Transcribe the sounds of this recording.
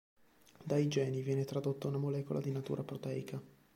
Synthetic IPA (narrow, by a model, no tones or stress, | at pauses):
d̪ajd͡ʒɛːnivjɛːnet̪ɾad̪ot̪ːaunamolɛːkolʔad̪inat̪ṵːɾʔapɾot̪ɛːjkʰa